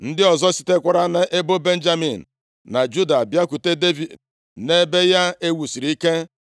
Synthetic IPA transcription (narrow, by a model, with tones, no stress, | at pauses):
n̩˦dɪ˦ɔ˨zɔ˦si̥˦te˦kʷa˦ɾa˦na˨ʔe˦bo˦be˦n̩˦d͡ʒa˦mi˨n̩˨ | na˨d͡ʒu˦da˨bja˦ku˨te˦de˦vi˨d | ne˦be˦ja˦e˦wu˨si˨ɾi˦ke˦